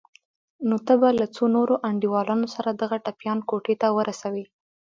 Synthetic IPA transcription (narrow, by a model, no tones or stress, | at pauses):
not̪əbalat͡sonoɾoʔaɳɖiwɑlɑnosaɾad̪aɣaʈapjɑnkoʈet̪awəɾʔasawi